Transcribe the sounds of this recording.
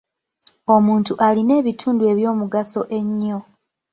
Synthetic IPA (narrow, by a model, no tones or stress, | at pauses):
o̞muːntuʔaline̞ːβitʰuːndue̞βjo̞ːmuɡaso̞ʔe̞ɲːo̞